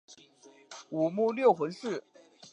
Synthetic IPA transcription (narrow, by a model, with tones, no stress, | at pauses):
u˨˩mu˥˧ljo˥˩ʊxwə˧˥nʂɹ̩˥˩